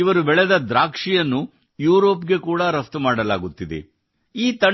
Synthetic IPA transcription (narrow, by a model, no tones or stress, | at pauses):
iʋɐɾubɛɭed̪ɐd̪ɾaːkʂijɐnːu | juːɾo̞ːpɡe̞kuːɽɐɾɐft̪maːɽɐla̰ːɡut̪ːid̪ḛ | iːt̪ɐ